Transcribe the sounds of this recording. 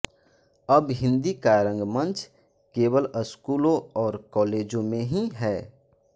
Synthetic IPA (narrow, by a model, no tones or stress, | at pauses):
əbɦɪ̃nd̪ikaɾə̃ŋɡmə̃nt͡ʃ | keːwələskuːlõɔːɾkɔːleːd͡ʒõmẽɦiɦɛː